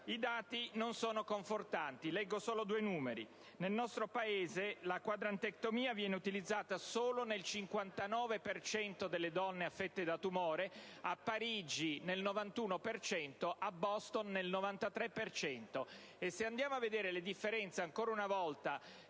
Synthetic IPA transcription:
id̪aːt̪inonsoːnokoɱfort̪ant̪ilɛɡːosoːlod̪uːejnuːmeɾḭ | nelnɔst̪ɾopaeːzelakwad̪ɾant̪ek̚t̪omiːavjɛːneut̪ilid̪zːaːt̪asoːlonelt͡ʃiŋkwant̪anɔːvepert͡ʃɛnt̪od̪elːed̪ɔnːeafːet̪ːed̪at̪umɔːɾe | apːaɾid͡ʒinelnovant̪uːnopert͡ʃɛnt̪oʔabːɔst̪onːelnovant̪at̪ɾɛpːert͡ʃɛnt̪o | esːeand̪jaːmoavːed̪eːɾeled̪ifːeɾɛnt̪seaŋkoːɾaunavɔlt̪a

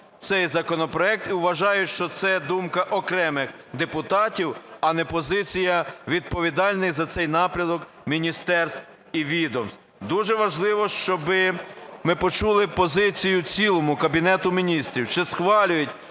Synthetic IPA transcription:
t̪sɛjzɐkɔnɔpɾɔɛk̚t̪iwʋɐʒɑjʊtʲʃt͡ʃɔt̪sɛd̪umkɐʔɔkɾɛmɪx | d̪epʊt̪ɑtʲiwɐnɛpɔzɪt͡sʲijɐʋʲid̪̚pɔʋʲid̪ɑlʲnɪjzɐt̪sɛjnɑpɾʲɐd̪ɔk | mʲinʲist̪ɛrst̪ | iʋʲid̪ɔmst̪ | d̪uʒɛʋɐʒlˠɪʋɔʃt͡ʃɔbɪmɪpɔt͡ʃulˠɪpɔzɪt͡sʲijʊt͡sʲilˠɔmʊkɐbʲinɛt̪ʊmʲinʲist̪ɾʲiwt͡ʃɪsxʋɑlʲʊjʊtʲ

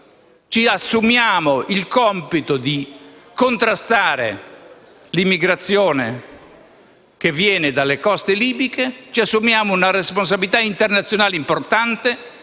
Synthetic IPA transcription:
t͡ʃiasːumjaːmoʔilkɔmpit̪od̪ikont̪ɾast̪aːɾḛ | limːiɡɾat̪sːjɔːne | kevːjɛːned̪alːekɔst̪eliːbiket͡ʃiasːumjaːmounarespons̬abilit̪aint̪ernat̪sjonaːleimport̪ant̪e

